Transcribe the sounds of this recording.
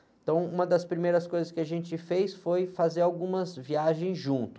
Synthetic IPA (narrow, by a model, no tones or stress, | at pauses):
ẽt̪ɐ̃w̃ũmɐd̪ɐspɾimejɾɐskojzɐskɪaʒẽnt͡ʃɪfejsfojfazeɾawɡũmɐzviaʒẽj̃zʒũnt̪ʊ̥